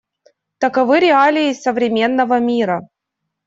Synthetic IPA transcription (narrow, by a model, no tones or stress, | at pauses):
t̪əkɐvɨɾʲɪalʲɪːsəvɾʲɪmʲe̞nːəvəmʲiɾə